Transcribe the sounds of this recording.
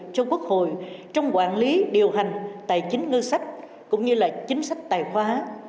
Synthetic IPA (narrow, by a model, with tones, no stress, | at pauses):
t͡ɕɔ˧ku˦˥ək̚ho̰˧˨jt͡ɕɔ˧wŋ͡mkwaː˧˩nli˨˦ɗi˨˩əwɦa˨˩jŋ̟t̪a̰ː˧˨jt͡ɕï˨˦ŋ̟ŋə˧sa˦˥jk̟̚ | kʊ̰˧˥ŋ͡mɲɨ˧laː˨˩t͡ɕï˨˦ŋ̟sa˦˥jk̟̚t̪a̰ː˧˨˩jxwaː˨˦